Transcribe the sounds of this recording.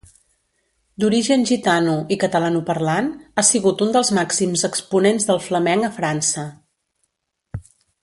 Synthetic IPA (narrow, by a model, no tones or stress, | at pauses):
d̪uɾiʒənʒit̪anuikət̪əlanupəɾlanasiɣut̪und̪əlˠzmaksimzəkspunenzðəlˠfləmɛŋəfɾansə